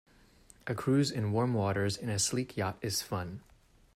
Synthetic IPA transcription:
ʔɨkʰɹ̥ʉzɨ̃nwɔɹmwɔɾə˞zɨ̃nɨslikʰjɑɾɨz̥fʌ̃n

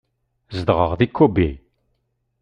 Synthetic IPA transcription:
zəd̪ʁəʁðikʰːubi

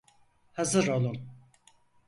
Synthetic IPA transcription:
hazɯɾolˠum

